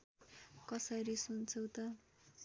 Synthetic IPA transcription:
kʌsʌɾisunt͡sʰʌwt̪ʌ

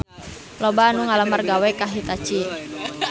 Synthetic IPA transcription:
lɔbanuŋalamərɡawɛkaɦit̪at͡ʃi

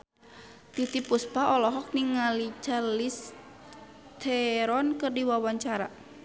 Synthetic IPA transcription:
t̪it̪ipuspaɔlɔɦɔk̚niŋalit͡ʃalis | t̪ʰɛɾɔnkɨrdiwawaɲt͡ʃaɾa

